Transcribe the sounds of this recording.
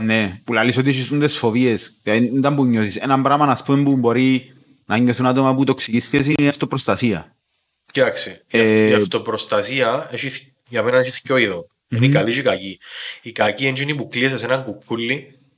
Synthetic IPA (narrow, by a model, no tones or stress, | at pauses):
nepulalisot̪iʃist̪unt̪esfovie̞sɐnd̪ɐmpuɲːosisḛnɐmbɾamɐnɐspumempumbo̞ɾi | nɐɲːoθunat̪omɐput̪oksikisces̬inaft̪opɾost̪ɐsiɐ̰ | cit̪ɐksifiɐt̪opɾost̪ɐsiɐeʃi | ʝɐmenɐneʃiθcoiðo | inikɐliʃikɐciikɐciend͡ʒinipuklies̬esenɐŋkupʰːulːi